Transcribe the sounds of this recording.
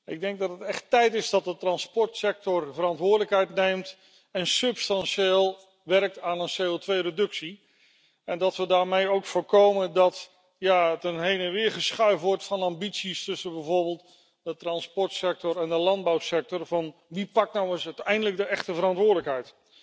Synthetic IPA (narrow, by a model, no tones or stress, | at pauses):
ɪɡ̚dɛŋɡ̚dɑtətɛχtɛjtɪzdɑt̚dətrɑnspɔɹtsɛk̚tɔrvərɑntʋʊːɹdləkɦɛjtnejmt | ɛnsɵpstɑnʃeːlˠ | ʋɛrk̚taːnənsejowtʋejrədɵksi | ɛndɑtʋədaːɹmejowkfʊːɹkowməndɑt | jaətənɦejnənʋɪːɹχəsχœɥvʋɔɹtfɑnɑmbitsistɵsəbɛjvʊːɹbəːlˠt | dətrɑnspɔɹtsɛk̚tɔɾɛndəlɑnd̚bawsɛk̚tɔɹvɑnʋipɑk̚tnawəsœɥtɛjndələk̚dəʔɛχtəvəɾɑ̃ntʋʊːɹdləkɦɛjt